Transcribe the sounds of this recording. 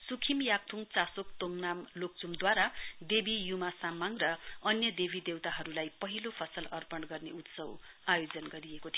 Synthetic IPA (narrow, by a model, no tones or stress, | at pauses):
sukʰimjak̚t̪ʰuŋt͡sasok̚t̪oŋnamlok̚t͡sumd̪waɾad̪ebijumasamaŋrʌʌnjʌd̪ebid̪ewt̪aɦʌɾulajpʌɦilopʰʌsʌlʌrpʌɳɡʌrneut̪sʌw | ajod͡zʌnɡʌɾiekot̪ʰio